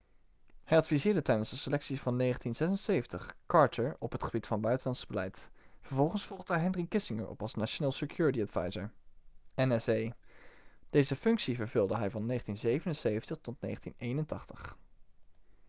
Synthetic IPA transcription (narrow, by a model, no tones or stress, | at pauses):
hɛjɑtfizɪːɹdətɛjdənsdəsəlɛksifɑnːejχəntinz̥ɛsənsejvəntəχkɑɹtʰəɹɔpətχəbitfɑnbœɥtənlɑntsəbəlɛjtfəɹvɔlˠχənsfɔlˠχdəɛɦɛnrikɪsɪŋə̰ɹɔ̰pɑ̰lˠsnaːʃonaːlˠsəkjʊːɹətiɑdv̥ɑ̰jzəɹ | ɛnɛsej | d̥ejzəfɵŋksivəɹvɵlˠdəɦɛjvɑnːejχəntinzejvənənsejvəntəχtɔtnḛjχəntḭnejnəntɑχtəχ